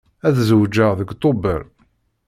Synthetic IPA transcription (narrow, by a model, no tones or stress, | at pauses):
æðzəwd͡ʒəʁðəɡt̪ˤobə̰ɾ